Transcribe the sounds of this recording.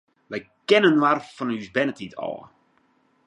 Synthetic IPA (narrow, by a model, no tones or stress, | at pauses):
ʋɛjkɛnənʋarfɔnyzbɛnətitʰɔ̰ːə